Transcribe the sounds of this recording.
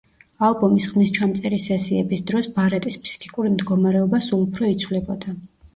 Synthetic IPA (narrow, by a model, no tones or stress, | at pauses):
alˠbɔmisχmist͡ʃʰamt̪sʼɛɾisɛsiɛbisd̪ɾɔsbaɾɛt̪ʼispʰsi̥kʰʼi̥kʼuɾimd̪ɡɔmaɾɛɔbasulˠupʰɾɔit̪sʰvlɛbɔd̪̥a